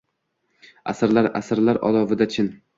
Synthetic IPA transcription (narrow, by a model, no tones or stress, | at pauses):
a̰saɾlaɾa̰saɾlaɾʔɒ̰lˠɒvɪd̪at͡ʃʰɪn